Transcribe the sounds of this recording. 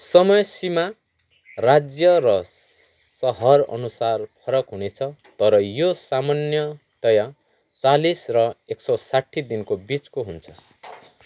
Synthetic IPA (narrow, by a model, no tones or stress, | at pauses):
sʌmʌjsima | rad͡zjʌɾʌ | sʌɦʌrʌ̰nusarpʰʌɾʌkɦunet͡sʰʌt̪ʌɾʌjosamanjʌ | t̪ʌja | t͡salisrʌeksʌsaʈʰːid̪inkobit͡skoɦunt͡sʰʌ